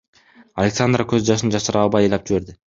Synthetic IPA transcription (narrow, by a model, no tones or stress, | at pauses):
alʲeksand̪rəkøzd͡ʒɑʃɯnd͡ʒɑʃɯɾɑlˠbɑjɯjlˠɑp̚d͡ʒiβe̞ɾd̪ɪ